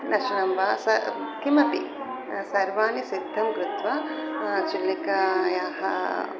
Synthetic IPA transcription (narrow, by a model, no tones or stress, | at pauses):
nɐʂɐnɐmʋaːsɐkimɐpḭ | sɐɾʋaːnisid̪ʱːɐmkɾut̪ʋɐt͡ʃilːikɐjaːɦɐ̰